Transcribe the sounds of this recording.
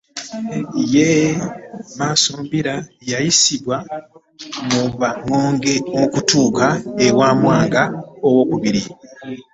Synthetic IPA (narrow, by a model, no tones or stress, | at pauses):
je | maːsombiɾajajisiβwa | muβaŋːo̞ːŋɡe̞ukutuːkaewaːmwaːŋɡaowo̞ːkuβiɾi